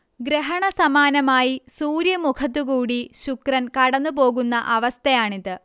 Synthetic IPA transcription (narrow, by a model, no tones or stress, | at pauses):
ɡɾeɦɐɳɐsɐmaːnɐmaːjisuːɾjɐmukʰɐt̪̬ːukuːɽiɕukrɐnkɐɽɐnːupo̞ːɣunːɐʔɐʋɐst̪ʰɐjaːɳiðɨ